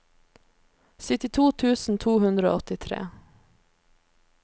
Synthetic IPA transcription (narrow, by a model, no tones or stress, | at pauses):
sɪt̪ɪt̪ʰuːt̪ʰʉːsn̩t̪ʰuːhʉnd̪ɾəo̰ːɔt̪ɪt̪ʰɾḛː